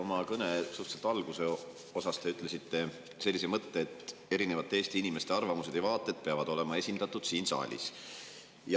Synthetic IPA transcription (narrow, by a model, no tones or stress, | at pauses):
omɑkɤne̞suht̪selt̪ɑlɡ̥use̞ | o̞sɑst̪e̞yt̪ːˑle̞sit̪ːe̞ | se̞lːisemɤt̪ːe̞ːt̪e̞ɾine̞vɑt̪ːˑeeːst̪iinime̞st̪e̞ɑrvɑmuse̞d̪̥ejvɑːt̪ːˑe̞d̪̥peɑvɑd̪o̞le̞mɑe̞sʲind̪̥ɑt̪ːˑud̪̥siːnsɑ̰ːlʲḭs | jɑ